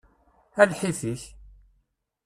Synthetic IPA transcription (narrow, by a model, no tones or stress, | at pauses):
ælħiθiç